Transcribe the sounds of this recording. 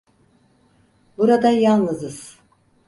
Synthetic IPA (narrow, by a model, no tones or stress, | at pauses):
buɾad̪ajalˠnɯzɯz̥